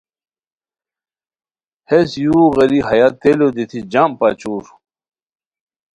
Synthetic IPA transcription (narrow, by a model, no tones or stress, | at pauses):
hesjuːɣɐɾiɦɐjat̪elod̪it̪ʰid͡ʑampat͡ɕuːɾ